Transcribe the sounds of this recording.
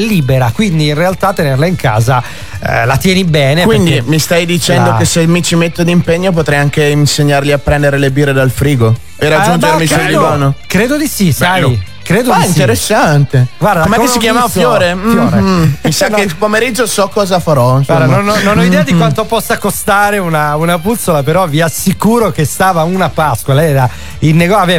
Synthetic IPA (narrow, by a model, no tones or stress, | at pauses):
liːbeɾakwind̪iːnrealt̪at̪ːenerlaiŋkʰa̰ːza | lat̪jɛːnibɛːnepkwieind̪imist̪ajd̪it͡ʃɛnokesːemit͡ʃimet̪ːod̪impeɲːop̬ot̪ɾɛjaŋk̟einseɲːaɾliapːɾɛnd̪eɾelebiːɾed̪alfɾiːɡo | erad͡ʒːund͡ʒeɾmisuliɡɔːnokɾeːd̪od̪isisa | kɾeːd̪oaiint̪eɾesːant̪eɡward̪amɛk̪isikjamavofjoːɾemfjoɾemisakepomeɾid͡ʒːosɔkːɔːzafaɾɔnsaɾd̪amnonɔnːonɔidɛːad̪ikwant̪opɔsːakost̪aːɾeunaunaput̪solapeɾɔviasikuːɾok̟est̪aːvaunapaskwalɛːɾa | ilneɡɔave